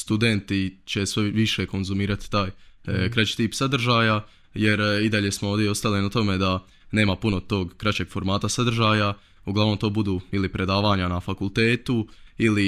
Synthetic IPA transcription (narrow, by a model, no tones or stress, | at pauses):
st̪ud̪e̞nt̪it͡ɕe̞sʋeʋiʃe̞ko̞nzumiːɾat̪i̥t̪aːjkɾat͡ɕi̥t̪iːpsad̪r̩ʒaːja | je̞ɾid̪aʎe̞smo̞oʋd̪jeo̞st̪alinat̪o̞med̪a | ne̞ːmapunot̪o̞ːɡkːɾat͡ɕe̞ɡ̥fo̞ɾmaːt̪asad̪r̩ʒaːja | uɡlaʋnomt̪o̞ːbud̪uːilipɾe̞d̪aːʋaːɲanafakulˠt̪e̞ːt̪uili